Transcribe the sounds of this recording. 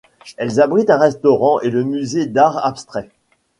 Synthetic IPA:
ɛlzabʁit̪ɛ̃ʁɛst̪ɔʁɑ̃ʔeləmyzed̪aʁapst̪χɛ

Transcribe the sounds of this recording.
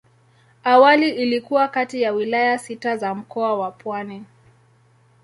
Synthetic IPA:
awaliʔilikuwakatijawilajasitazam̩kɔawapwani

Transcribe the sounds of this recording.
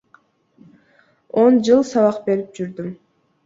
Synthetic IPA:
o̞nd͡ʒɯlˠsɑβɑqbe̞ɾip̚d͡ʒyɾd̪ym

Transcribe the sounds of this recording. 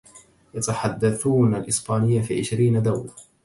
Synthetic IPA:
jat̪aħad̪ːaθuːnalʔɪsbaːnɪjːafiːʕɪʃɾiːnad̪awla

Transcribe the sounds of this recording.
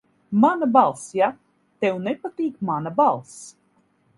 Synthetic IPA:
manabalˠsja | t̪ɛwnɛpat̪iːkmanabalˠs

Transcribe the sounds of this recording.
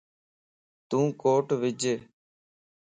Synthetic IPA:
t̪ũːkoːʈʋɪd͡ʒeː

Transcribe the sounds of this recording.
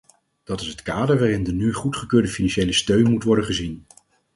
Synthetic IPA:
d̥ɑtɪsɦətkaːdəɹʋaːrɪndənyχutχəkøːɹdəfinɑnʃejləstøɥnmutʋɔɹdəχəzin

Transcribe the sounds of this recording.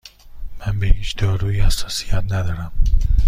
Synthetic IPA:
mænbehiːt͡ʃd̪ɒːɾuːihæsɒːsijæt̪næd̪ɒːɾæm

